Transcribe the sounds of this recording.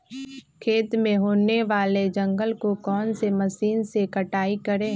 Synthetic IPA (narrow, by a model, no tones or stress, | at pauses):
kʰeːt̪mẽɦoːneʋaːled͡ʒɐ̃ŋɡəlkokɔːnsemɐsiːnsekɐʈaːikɐɾẽː